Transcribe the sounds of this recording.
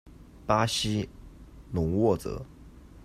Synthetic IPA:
pa˥ɕi˥ | nʊ˨˧˥ŋwɔ˥˩t͡sɤ̰˧˦

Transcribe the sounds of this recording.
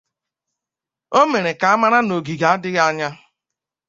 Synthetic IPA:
o˦me˨ɾe˨ka˨a˦ma˦ɾa˦no˨ɡi˨ɡa˨˦a˦dɪ˦ɣa˦ɲa˦

